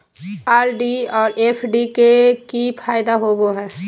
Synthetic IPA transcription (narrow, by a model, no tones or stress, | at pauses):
aːɾɖiɔːɾeːpʰɖikekipʰaːjd̪aɦoːɡoɦɛː